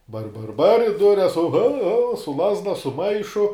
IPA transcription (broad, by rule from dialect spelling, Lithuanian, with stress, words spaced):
bɐr bɐr bɐr ɪ ˈdʊrʲɛs oːɣoːʊ ɣoːʊ sʊ ˈlˠɑːzdɐ sʊ ˈmɐɪʃʊ